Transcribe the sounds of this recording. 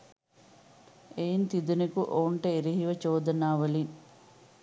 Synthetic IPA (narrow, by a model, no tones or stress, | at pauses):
ejint̪id̪unekuʔoːɳʈɐiɾiɦiʋɐt͡ʃoːd̪ɐnaːʋɐlin